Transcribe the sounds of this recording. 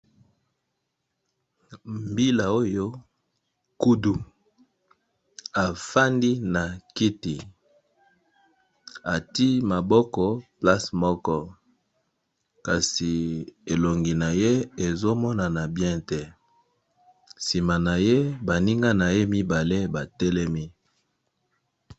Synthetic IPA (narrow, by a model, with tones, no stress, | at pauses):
mbi˦la˨o˦jo˦ | ku˦du˨ | a˨fa˦ndi˦na˨ki˦ti˨ | a˨ti˦ma˨bɔ˦kɔ˦pla˦smɔ˦kɔ˦ | ka˨si˨e˨lo˨ŋɡi˨na˨je˦e˨zo˦mɔ˦na˨na˨bjɛ̃˦tɛ˦ | si˨ma˨na˨je˦ba˨ni˦ŋɡa˦na˨je˦mi˦ba˨le˦ba˨tɛ˦lɛ˦mi˦